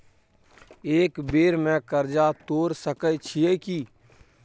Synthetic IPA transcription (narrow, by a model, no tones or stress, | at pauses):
eːkbeːɾmɛ̃ːkəɾd͡ʒaːt̪oːɾsəkəjt͡ʃʰiekiː